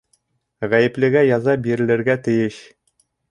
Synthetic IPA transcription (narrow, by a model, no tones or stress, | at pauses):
ʁæjɘ̆plɘ̆ɡæjɑzɑp̚biɾɘ̆lɘ̆ɾɡæt̪ɘ̆jɘɕ